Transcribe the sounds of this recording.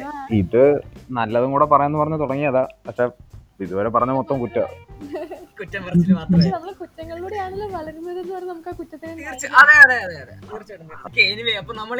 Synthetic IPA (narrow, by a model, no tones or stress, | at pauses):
iðɨnɐlːɐðuŋuːɽepɐrɐɲːaenːɨpɐrɐɲːɐt̪uɽɐŋːijɐðaːpɐkʂe | iðuʋoːɾepɐrɐɲːɐmo̞t̪ːɐmkutːɐ | kutːɐmʋiɾmaːt̪nɐmːɐɽkutːɐŋːɐɭiluːɽejaːɳilːɐʋɐɭɐɾunːɐðenːɨpɐrɐɲːɐnɐmukːaːkutːɐt̪ːineirt͡ɕːɨɐðeɐðeɐðeɐðḛrit͡ɕːɽɐɐkeːniʋeɐpːoːnɐmːɐɭ